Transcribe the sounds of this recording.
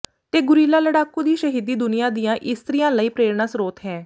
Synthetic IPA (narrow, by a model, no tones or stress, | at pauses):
t̪eːɡʊɾiːlaːləɽaːkuːd̪iːʃəɦiːd̪iːd̪ʊnɪjãːd̪ijãːʔɪst̪ɾɪjãːləiːpɾeːɾnaːsɾoːt̪ɦɛː